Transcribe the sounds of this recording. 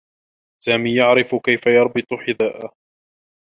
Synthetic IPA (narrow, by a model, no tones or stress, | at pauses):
saːmiːjaʕɾɪfkajfajɑɾˤbɨt̪ˤħɪðaːʔa